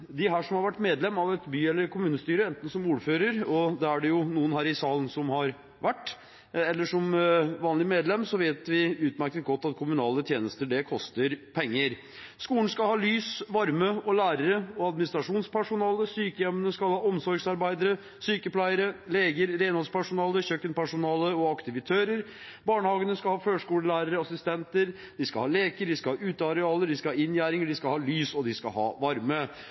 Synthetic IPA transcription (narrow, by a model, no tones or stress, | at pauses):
d̪ɪɦæːʂɔmhɑɾʋæʈːmeːd̪lɛmːɑʋɛt̪byːɛlːəɾkʰʊmʉːnəst̪yːɾəɛnt̪n̩sɔmuːɾføːɾəɾɔd̪ɛæɖɛjʊnuːənhæːɾɪsɑːlən̩sɔmhɑɾ | ʋæʈː | ɛlːəʂɔmʋɑːnlɪəmeːd̪lɛmːsɔʋeːt̪ʋɪʉːt̪mæɾkət̪̚ɡɔt̪ːɑt̪kʰʊmʉnɑːlət̪ʰjeːnəst̪əɖɛkʰɔst̪əɾpʰɛŋːəɾ | skuːlən̩skɑlhɑːlyːsʋɑɾməɔlæːɾəɾəɔɑd̪mɪnɪst̪ɾɑʂuːnspʰæʂʊnɑːləsyːkəjɛmənəskɑlhɑːɔmsɔɾɡsɑɾbæɪd̪əɾə | syːkəpʰlæɪəɾəleːɡəɾɾeɪnhɔspʰæʂʊnɑːləçøkːənpæʂʊnɑːləɔɑkt̪ɪʋɪt̪ʰøːɾəɾ | bɑːɳəhɑːɡənəskɑlhɑːføːʂkuːləlæːɾəɾəɑsɪst̪ɛnt̪əɾ | d̪ɪskɑhɑːleːkəɖɪskɑɑːʉːt̪əɑɾɛɑːləɖɪskɑɑːɪnjæːɾɪŋəɖɪskɑlhɑːlyːsɔd̪ɪskɑ̰hɑ̰ːʋɑɾmə